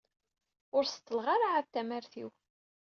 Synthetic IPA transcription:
ʊɾst̪ːəlʁaɾaʕaðt̪ːæmæɾθiw

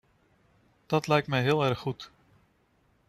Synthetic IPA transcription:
d̥ɑtlɛjk̚tmɛjɦɪːlˠɛrχːut

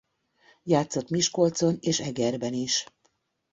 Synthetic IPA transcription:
jaːt̪so̞t̪miʃko̞lt̪so̞neːʃɛɡɛrbɛniʃ

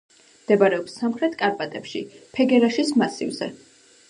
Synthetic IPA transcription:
md̪̥ɛbaɾɛɔpsamχɾɛt̪ʰkʼaɾpʼat̪ʼɛpʃipʰɛɡɛɾaʃismasḭvzɛ̰

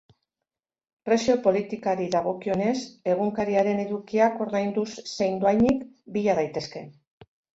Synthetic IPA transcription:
pɾe̞sio̞po̞lit̪ikaɾiðaɣ̞o̞kio̞ne̞se̞ɣ̞uŋkaɾiaɾe̞ne̞ðukiako̞ɾðajnd̪usse̞jnd̪uajnik | biʎað̞ajt̪e̞ske̞

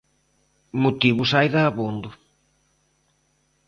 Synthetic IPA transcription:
mot̪iβʊsajðaːβund̪ʊ

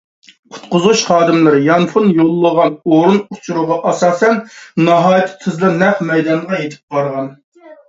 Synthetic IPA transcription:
qʰʊ̥t̪qʊzuʃχɑːd̪ɨmlˠɨɾɨjɑnfʰunjolˠːəʁɑnoɾunut͡ʃʰuɾʊʁɑʔɑsɑːsɛnnɑɦɑːjt̪ʰɪ̥t̪ʰɨzlˠɨnɛχmɛjd̪ɑnʁɑjet̪ʰɪ̥p̚bɑɾʁɑn

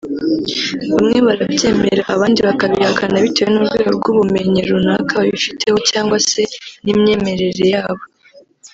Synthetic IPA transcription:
βamŋe̞βaɾabje̞ːme̞ɾaʔːβaːndiβakaβihakʰanaβitewenuɾɡwe̞ːɡobɡuβume̞ɲiɾunaːkʰaβaβifitʰe̞ho̞caːŋɡwase̞nimɲe̞ːme̞ɾe̞ɾe̞jaːβo̞

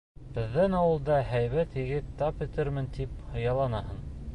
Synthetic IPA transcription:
b̥ɘ̆ðːænɑwɤ̆lˠd̪ɑɦæjβæt̪hĭɡɘt̪t̪ːɑpɵ̆t̪ɘɾmɘnt̪iphɤ̆jɑlˠɑnɑɦɤn

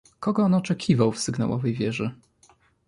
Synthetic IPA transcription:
kɔɡɔɔnɔt͡ʂɛkʲʰivawfsɘɡna̰wɔ̰vɛjvʲjɛʐɘ

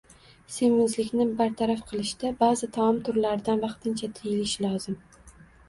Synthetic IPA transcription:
semɪnzlɪkʲnɪbaɾt̪ʰaɾafqʰɨlˠɪʃd̪̥abazɪt̪ʰaɒmt̪ʰʊɾlaɾɪd̪anvɑqt̪ʰɪnt͡ʃʰat̪ʰɪjɪlɪʃlɒzɪm

